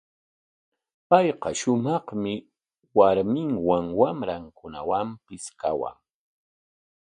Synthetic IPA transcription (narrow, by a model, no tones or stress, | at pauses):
pɑjqɑʃʊmɑχmɪ | waɾmɪŋwaŋwamɾaŋkʊna̰wampɪska̰wa̰ŋ